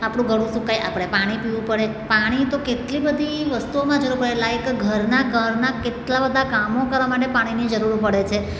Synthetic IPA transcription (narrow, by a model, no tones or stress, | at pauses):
apɽ̃ũɡʱəɽ̃ũsũkajʔa̰pɽ̃epaɽ̃ipiʋũpəɽepaɽ̃it̪okeʈlibəd̪ʱiʋəst̪uomãd͡ʒəɾuɾpəɽelaekɡʱəɾnakəɾnakeʈlabəd̪ʱakamokəɾʋamaʈ̬epaɽ̃inid͡ʒəɾuɾpəɽet͡ʃʰe